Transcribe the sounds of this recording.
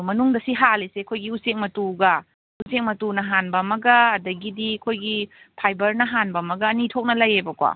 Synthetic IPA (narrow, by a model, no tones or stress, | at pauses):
mɐnuŋdɐsiɦalisekʰojɡiusek̚mɐtuɡɐ | usek̚mɐtunɐɦanbɐmɐɡɐːdɐɡidikʰojɡi | pʰajbɐɾnɐɦanbɐmɐɡɐːnitʰok̚nɐlɐjebɐkwa̰